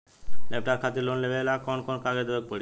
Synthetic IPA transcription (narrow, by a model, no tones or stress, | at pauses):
lɛp̚ʈaːɾkʰaːt̪eloːnleʋelaːkɔːnkɔːnkaːɡed̪əək̚pəɽi